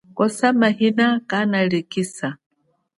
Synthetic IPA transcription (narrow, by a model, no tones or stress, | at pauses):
kɔsamahinakanaɺikisa